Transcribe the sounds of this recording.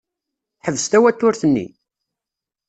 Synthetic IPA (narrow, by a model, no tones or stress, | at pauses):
ħəvːəst̪æwæt̪ːʊɾθənːḭ